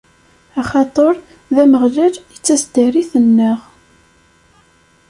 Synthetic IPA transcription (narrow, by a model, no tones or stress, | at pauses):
ɑχɑt̪ˤəɾˤ | ðæməʁlæljət͡sːæsd̪æɾiθənːəʁ